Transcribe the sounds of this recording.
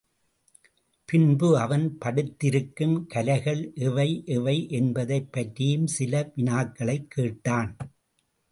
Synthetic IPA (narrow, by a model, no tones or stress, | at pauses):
pɪnbɯɐʋɐnpɐɽɯt̪ːɪɾɯkːɯmkɐlɐɪɣɐɭʔɪʋɐɪʔɪʋɐɪʔɛnbɐðɐɪpːɐʈrɪjɯmsɪlɐʋɪnaːkːɐɭɐɪkːeːʈːaːn